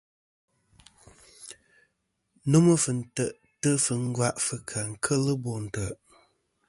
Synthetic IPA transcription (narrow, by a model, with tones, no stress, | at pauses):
nu˦mə˦fɨ˨n̩˦˨tə˨ʔ | tə˦fɨ˨ŋ̩˦ɡwa˦ʔfɨ˨kʰa˨ŋ̩˨kʰə˦lə˦bo˨n̩˨tə˨ʔ